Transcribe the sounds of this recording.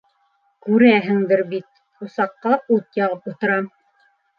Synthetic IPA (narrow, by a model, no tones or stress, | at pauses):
kʉɾæɦɘ̆ŋd̪ɘɾbit̪̚ | ŏsɑqːɑut̪jɑʁɤput̪ɤ̆ɾɑm